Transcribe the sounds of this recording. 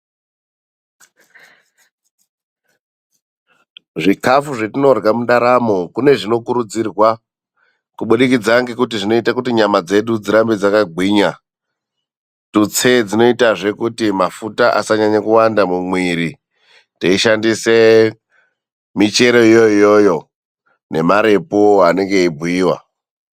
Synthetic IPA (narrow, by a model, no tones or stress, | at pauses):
ʐikafuʐe̞tino̞rɡamuɗaɾamo̞kune̞ʐino̞kuɾud͡zirwa | kuɓuɗikid͡zaŋɡekutiʐino̞itakutiɲamad͡ze̞ɗud͡ziɾambed͡zakaɡʱwiːɲa | tut͡se̞d͡zino̞itaʐe̞kutimafutaʔa̰saɲaɲakuwandamumwiɾi | teiʃandise̞ | mit͡ʃe̞ɾo̞ijoijo̞jo̞ | ne̞maɾe̞poane̞ŋɡe̞ibʱuiːwa̰